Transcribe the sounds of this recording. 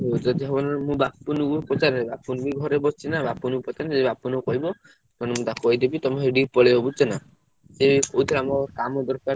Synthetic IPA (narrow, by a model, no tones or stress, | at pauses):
ɦot͡ʃɔd͡ʒɔɦɔbɔnmũbapːunukupɾɔt͡ʃaɾbapːunbiɡʱɔɾebɔst͡ʃinabapːunukpɔt͡ʃaɾnd͡ʒebapːunukɔɦibɔ | ɔnemũt̪akɔɦid̪ebit̪ɔmẽɦɖipɔɭeɦobut͡ʃɔna | sekout̪ʰɔɾamɔkamɔd̪ɔɾka